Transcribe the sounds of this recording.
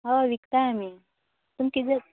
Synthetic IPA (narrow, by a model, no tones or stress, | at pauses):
ɦaʋikt̪aːmi | t̪umkid̪e